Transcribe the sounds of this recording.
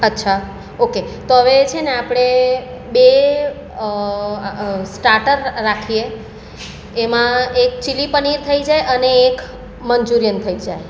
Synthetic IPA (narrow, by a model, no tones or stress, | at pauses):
ətːʃʰa | oket̪oɦəʋet͡ʃʰeneapɽ̃e | be | sʈaɾʈəɾːakʰie | mãek̚t͡ʃilipəniɾt̪ʰəid͡ʒajəneːk | mənd͡ʒuɾijənt̪ʰəid͡ʒaj